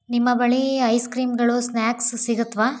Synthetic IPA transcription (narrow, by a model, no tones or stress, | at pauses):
nimːɐbɐɭiɐjskɾiːmɡɐɭusnjaːksːiɡut̪ːʋaː